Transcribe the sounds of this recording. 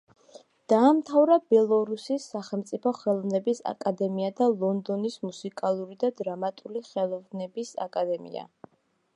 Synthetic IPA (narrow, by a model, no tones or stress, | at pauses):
d̪̥aːmt̪ʰavɾabɛlˠɔɾusisːaχɛlˠmt̪sʼipʰɔχɛlˠɔvnɛbisa̰kʼad̪ɛmiad̪alˠɔnd̪ɔnismusikʼalˠuɾid̪ad̪ɾamat̪ʼuliχɛlˠɔvnɛbisa̰kʼad̪ɛmḭa̰